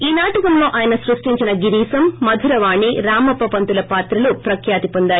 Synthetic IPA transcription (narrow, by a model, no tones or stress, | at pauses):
iːnaːʈukɐmlo̞ːʔaːjɐnɐsɾuʂʈiɲt͡ʃinɐɡiɾiːsɐmːɐd̪ʱuɾɐʋaːɳiɾaːmɐpɐpɐnt̪ulɐpaːt̪ɾɐlupɾɐkʰjaːt̪ipɔnd̪aːɾu